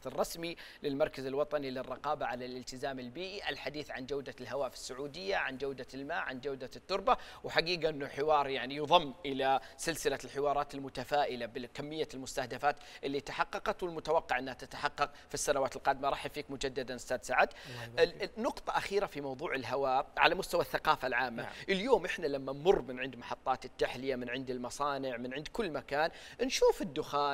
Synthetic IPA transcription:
rˤːɑsmilɪlmɑɾˤkazɪlwɑt̪ˤɑnilɪrˤːɑqɑːbaʕalalɪlt̪ɪzaːmɪlbiːʔiʔalħad̪iːθʕand͡ʒawd̪alɦawaːfɪ̥sːʊʕuːd̪ɪjːaʕand͡ʒawd̪almaːʕand͡ʒawd̪at̪ːʊɾˤba | wħaɡiːɡaʔɪnːʊħɪwɑːɾˤjaʕnijðˤɑmːʔɪlasɪlsɪlalħɪwɑːɾˤɑːt̪ɪlmʊt̪afaːʔɪlabɪkamːɪjːalmʊst̪ahd̪afaːt̪ʔɪlːit̪aħɑqːɑqɑt̪wɪlmʊt̪awɑqːɑʕʔɪnːhat̪at̪ḁħɑqːɑq | fisːanawaːt̪lqɑːd̪ɪmaɾˤɑːħjafiːkmʊd͡ʒad̪ːad̪anɪst̪aːd̪saʕad̪ | nʊqt̪ˤɑʔaxiːɾafimɑwðˤuːʕɪlɦawaːʕa̰lamʊst̪awaθːaqɑːfalʕaːmːaʔɪljoːmʔɪħnalamːanmʊrˤːmɪnʕɪnd̪mɑħɑt̪ˤːɑːt̪ɪt̪ːaħlɪjamɪnʕɪnd̪ɪlmɑsˤɑːnɪʕmɪnʕɪnd̪kʊlːmakaːn | nʃuːfɪd̪ːʊxaː

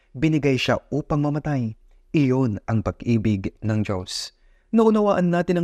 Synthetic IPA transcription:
bɪnɪɡajʃaʔuːpɐŋmɐmɐt̪aj | ʔɪjo̞nʔɐŋpɐɡʔiːbɪɡnɐŋd͡ʒo̞s | nɐʔʊnɐwaːʔɐnːaːt̪ɪnɐ

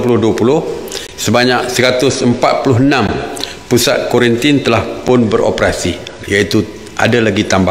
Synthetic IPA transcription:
pulʊhduapulʊh | səbaɲak̚səɾat̪ʊsəmpat̪̚pulʊɦənãm | pusat̪̚koɾint̪ɪnt̪əlahpʊnbəɾo̰pɾasi | jait̪u | ʔa̰dalaɡit̪ambah

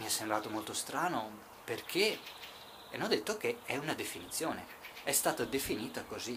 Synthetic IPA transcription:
miɛsːembɾaːt̪omolt̪ost̪ɾaːno | perkʰe | ɛnːɔd̪et̪ːokeɛunad̪efinit̪sːjoːne | ɛst̪aːt̪ad̪efiniːt̪akozi

